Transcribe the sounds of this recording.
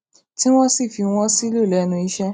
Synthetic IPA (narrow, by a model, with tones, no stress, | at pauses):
ti˦w̃ɔ̃˦si˦˨fi˧w̃ɔ̃˦si˦lo˦˨lɛ˨˦nũ˧i˧ʃɛ˦